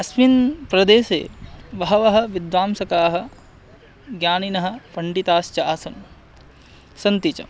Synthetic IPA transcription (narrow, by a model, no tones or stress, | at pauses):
ɐsminpɾɐd̪eːsḛːʋɐɦɐʋɐɦɐ̆ʋid̪ʋaːmsɐkaːɦɐ̆ | ɡjaːninɐɦɐ̆pɐɳɖit̪aːst͡ʃɐaːsɐn | sɐnt̪it͡ʃɐ̰